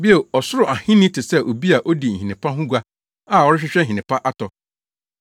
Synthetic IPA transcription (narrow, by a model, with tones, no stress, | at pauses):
bi˦e˨ɔ˨sʊ˦ɾʊ˨a˨hɪ̃˦nɪ̃˦tʰɪ˨sɛ˦ʔo˨bi˦a˨ʔo˦di˨n̩˨hĩ˨nɪ̃˨pʰa˦ɦʊ̃˦ɡʷa˦ | a˨ɔ˦ɾɪ˦ɕᶣɪ˦ɕᶣɛ˦˨ĩ˨nɪ̃˨pʰa˦ʔa˦tʰɔ˨